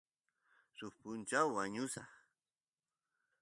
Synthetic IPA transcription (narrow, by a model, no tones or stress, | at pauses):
sʊχpʊnt͡ʃawːaɲʊsaχ